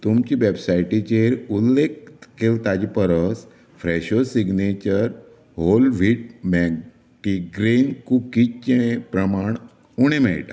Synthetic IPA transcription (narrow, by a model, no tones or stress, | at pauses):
t̪umt͡ɕiʋebsajʈit͡ɕeɾulːekkelt̪ad͡ʑipəɾəs | fɾeɕosiɡnet͡ɕəɾ | ɦolʋiʈ̚mɛɡ | ʈiɡɾenkukit͡ɕt͡ɕẽepɾəmaɳ | uɽ̃emɛ̰jʈa